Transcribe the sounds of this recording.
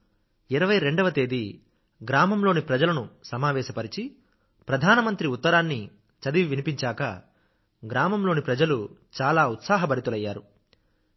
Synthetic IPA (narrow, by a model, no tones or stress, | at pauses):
iɾɐʋɐjɾe̞ɳɖɐʋɐt̪e̞ːd̪i | ɡɾaːmɐmlo̞ːnipɾɐd͡ʒɐlɐnusɐmaːʋɛːʃɐpɐɾit͡ʃi | pɾɐd̪ʱaːnɐmɐnt̪ɾiut̪ːɐɾaːnːi | t͡ʃɐd̪iʋʋinipiɲt͡ʃaːkɐ̰ | ɡɾaːmɐmlo̞ːnipɾɐd͡ʒɐlut͡ʃaːlaːut̪saːɦɐbɐɾit̪ulɐjːaːɾu